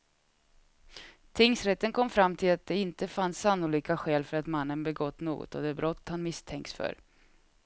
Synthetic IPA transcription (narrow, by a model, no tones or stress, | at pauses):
t̪ʰɪŋsɾɛt̪ːənkʰɔmːfɾamːt̪ʰɪlat̪̚d̪ɛɪnt̪əfansːanːʊliːkaɧɛːlfœɾat̪manːənbɛɡɔt̪ːno̰ːɡɔ̰t̪ɔd̪ɛbɾɔt̪ːhanmɪst̪ʰɛŋkt̪sfœ̰ɾ